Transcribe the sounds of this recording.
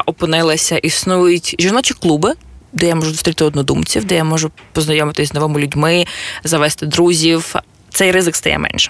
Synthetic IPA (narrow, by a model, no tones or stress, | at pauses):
ʔɔpɨnɪlˠɐsʲɐʔisnujʊtʲʒʲirnɔt͡ʃʲiklˠubɪd̪ɛjamɔʒʊzʊst̪ɾʲit̪ɪɔd̪nɔd̪umt͡sʲiwd̪ɛjamɔʒʊpɔznɐjɔmɪt̪ɪsʲzʲznɔʋɔmʊlʲʊdʲmɪzɐʋɛst̪ɪd̪ɾuzʲiw | t̪sɛjɾɪzɪkst̪ɐjɛ̰mʔɛ̰nʃɛ̥